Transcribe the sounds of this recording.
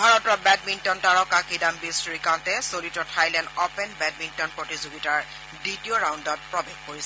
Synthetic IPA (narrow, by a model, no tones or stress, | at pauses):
bʱaɹɔtɔbɛdmintɔntaɹɔkakidambisɹikãntɛsolitɔtʰajlɛndɔpɛnbɛd̚mintɔnpɹotizoɡitaɹ | ditijoɹawndɔt̚pɹɔbexkoɹisɛ